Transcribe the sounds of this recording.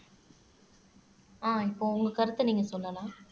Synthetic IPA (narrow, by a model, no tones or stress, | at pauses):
aːɪpːoːʊŋɡɐkɐɾɯt̪ːɯniːŋɡɐsɔlːɐlãː